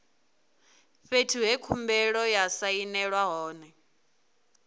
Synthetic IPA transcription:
ɸetʰuɦekʰumbɛɺɔjasainɛɺwaɦɔːnɛ

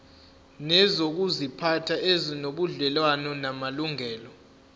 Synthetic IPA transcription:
nɛzok̬uzipʰatʰaʔezinoɓuɮɛlwanɔnamaluŋɛːlɔ

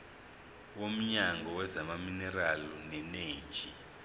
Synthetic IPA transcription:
wom̩ɲaŋɡʱɔwɛzamaminɛɾalunɛneːt͡ʃʼi

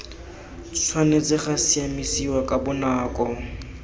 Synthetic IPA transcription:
t͡sʰwanet͡sɪχasiamisiwakʼabʊnaːkʼɔ

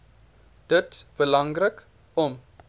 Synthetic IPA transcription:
d̥ətb̥əlɐŋrək | ɔm

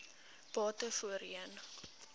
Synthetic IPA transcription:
b̥ɑːtəfuəɾiən

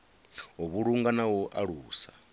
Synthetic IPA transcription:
ɔβuɺuŋɡanawɔʔaɺuːsa

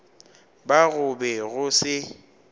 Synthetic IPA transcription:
baɣʊbɛɣʊsɪ

